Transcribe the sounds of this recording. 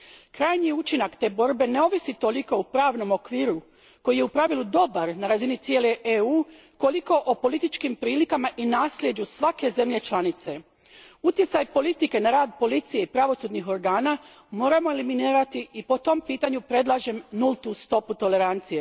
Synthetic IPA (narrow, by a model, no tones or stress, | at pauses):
kɾaːjɲiut͡ʃinakt̪e̞ːbo̞ɾbe̞ne̞o̞ʋisit̪o̞liko̞upɾaːʋno̞mo̞kʋiːɾu | ko̞jije̞upɾaʋilˠud̪o̞baɾnaɾazinit̪sje̞ːle̞ʔeuː | ko̞liko̞ʔopo̞lit̪it͡ʃkimpɾiːlikamaʔinaːslje̞d͡ʑusʋake̞ze̞mʎe̞t͡ʃlˠanit̪se̞ | ut̪je̞t̪sajpo̞lit̪ike̞naɾaːd̪̚po̞lit̪sije̞ipɾaʋo̞sud̪nixo̞ɾɡaːna | mo̞ːɾamo̞eliminiːɾat̪iipo̞t̪o̞mpiːt̪aɲupɾe̞d̪lˠaʒe̞mnulˠt̪ust̪o̞put̪o̞le̞ɾant̪sije̞